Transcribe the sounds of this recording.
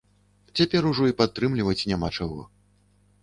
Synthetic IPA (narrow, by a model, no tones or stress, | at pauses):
t͡sʲapʲɛɾuʐɔipat̪ːɾɨmlʲivɐt͡sʲnʲamat͡ʂaɣɔ̰